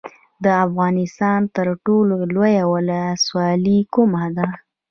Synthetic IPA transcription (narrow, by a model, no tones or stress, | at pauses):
d̪əafɣɑnɪst̪ɑnt̪əɾʈololojawələswɑlikumad̪a